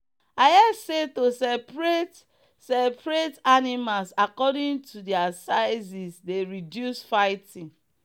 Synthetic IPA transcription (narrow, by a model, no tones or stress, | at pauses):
ajɛsetosɛpɹet | sɛpɹetanimalsakɔdĩŋtudiasaɪzisdeɹidjusfaɪtĩŋ